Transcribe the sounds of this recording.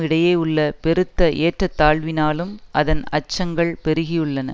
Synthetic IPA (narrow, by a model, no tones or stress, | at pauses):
ɪɽɐjeːʊɭːɐpɛɾɯt̪ːɐʔeːʈrɐt̪ːaːɭʋɪnaːlɯmɐðɐnɐt͡ʃːɐŋɡɐɭpɛɾɯɣɪjɯɭːɐnɐ̰